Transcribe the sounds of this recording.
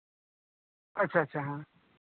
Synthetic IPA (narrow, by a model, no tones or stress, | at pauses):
ɐtːɕʰaɐtːɕʰaɦã